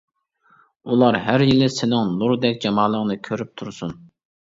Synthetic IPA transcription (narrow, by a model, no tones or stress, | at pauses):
ulˠɑɾɦæɾjilɪsɪnɪŋnuɾd̪ɛkʲd͡ʒɑmɑːlˠəŋnɨkʲʰøɾyp̚t̪ʰuɾsun